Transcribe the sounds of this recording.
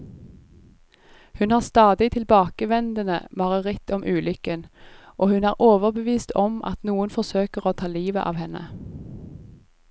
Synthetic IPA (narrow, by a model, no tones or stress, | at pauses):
hʉnhɑːʁst̪ɑːd̪ɪt̪ʰɪlbɑːkəʋɛnd̪ənə̰mɑʁəʁɪt̪ɔmʔʉːlʏkənʔoːhʉnæːʁʔoːʋəʁbəʋiːst̪ʰɔmʔɑ̰t̪nuːənfɔsøːkəʁoːt̪ʰɑːliːʋə̰ʔɑ̰ːʋhɛnə̰